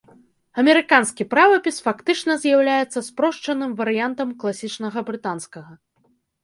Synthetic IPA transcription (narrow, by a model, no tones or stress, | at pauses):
ɐmʲɛɾɨkanskʲipɾavɐpʲisfakt̪ɨt͡ʂnɐzʲjawlʲajɛt̪sːɐspɾɔʂt͡ʂɐnɨmvɐɾɨjant̪ɐmklˠasʲit͡ʂnɐɣɐbɾɨt̪anskɐɣɐ